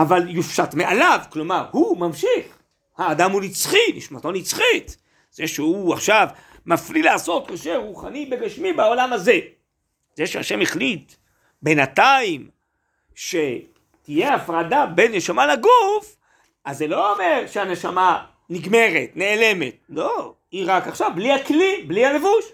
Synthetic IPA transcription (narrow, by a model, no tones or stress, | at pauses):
avaljufʃatmeʔalavklomaʁhumamʃiχ | haːd̪amunit͡sχiniʃmat̪onit͡sχit̪ | z̥eʃehuaχʃav | maflilaːso̞t̪koʃeʁuχa̰nibeɡaʃmibao̞lamaze̞ | zeʃeha̰ʃe̞meχlit̪ | be̞nataim | ʃe̞ | t̪ijeafʁadabe̞nːeʃamalaɡuf | ʔazːelo̞ome̞ʁʃeane̞ʃama | niɡme̞ʁe̞t̪ne̞ːle̞me̞t̪̚lo̞ | iʁakaχʃavblihaklibliale̞vuʃ